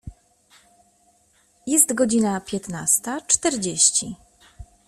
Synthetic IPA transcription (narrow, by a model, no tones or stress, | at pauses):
jɛst̪ɡɔd͡ʑinapʲjɛt̪nast̪at͡ʂt̪ɛɾd͡ʑeɕt͡ɕi